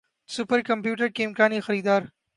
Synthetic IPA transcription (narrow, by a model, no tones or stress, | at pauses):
supɐɾkɐmpjuːʈɐɾkeːmkaːnixɐɾiːd̪aːɾ